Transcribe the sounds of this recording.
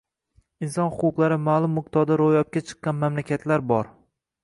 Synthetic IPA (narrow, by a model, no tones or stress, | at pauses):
ɪnsɒnhʊqʰʊqlˠaɾɪmaːlˠʊmːʊq̚t̪ʰɒd̪aɾojɒp̚kʲat͡ʃʰɨ̥qːɑnmamlakʲʰat̪ʰlaɾbɒɾ